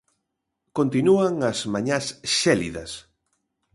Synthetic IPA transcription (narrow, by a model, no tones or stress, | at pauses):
kont̪inuaŋɐsmaɲasʃɛlḭðɐ̰s